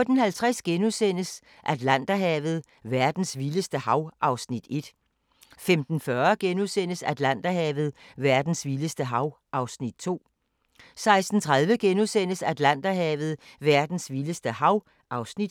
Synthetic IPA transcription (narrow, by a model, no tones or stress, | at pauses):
ɔd̥n̩hælt͡sʰʁɛsɡ̥enusen̰əs | ʔæd̥læn̰d̥ɐɦɛ̰ːʋð̞̩ˠ | ʋæɐd̥n̩sʋiləsd̥əhɑ̈ʊʔɑ̈ʊsnid̥e̝d̥ | femd̥n̩fɶɐɡ̥enuðˠsen̰əsæd̥læn̰d̥æɦɛːʋð̞̩ˠʋæɐd̥n̩sʋiləsd̥əɦɑ̈ʊ | ʔɑ̈ʊsnid̥̚t͡sʰo̝̰ː | sɑ̈ɪsd̥n̩t͡sʰʁɑð̞ˠʋəɡ̥enuðˠsen̰əsæd̥læn̰d̥ɐɦɛːʋð̞̩ˠʋæɐd̥n̩sʋiləsd̥əhɑ̈ʊ | ʔɑ̈ʊsnid̥